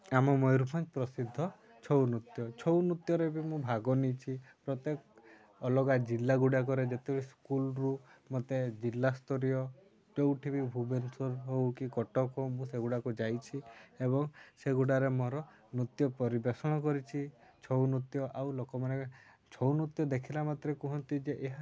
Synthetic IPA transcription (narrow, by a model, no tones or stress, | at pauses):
amɔmɔjɾupʰant͡ʃi̥pɾɔsid̪ʱːɔ | t͡ʃʰɔwnut̪jɔt͡ʃʰɔwnut̪jɔɾebimũbʱaɡɔnit͡ʃʰipɾɔt̪jek | ɔlɔɡad͡ʒilːaɡuɽak̬ɔɾed͡ʒet̪ebɔɽiskulɾumɔt̪ed͡ʒilːast̪ʰɔɾijɔ | ʈewʈʰibibʱubensɔɾɦowkikɔʈɔkʰɔmũseɡuɽakud͡ʒajt͡ʃʰiebɔŋseɡuɽaɾemɔɾɔ | nut̪jɔpɔɾibesɔɽ̃ɔkɔɾit͡ʃʰit͡ʃʰɔwnut̪jɔʔawlokɔmane | t͡ʃʰɔwnut̪jɔd̪ekʰilamat̪ɾekuɦɔnt̪id͡ʒeʔeɦa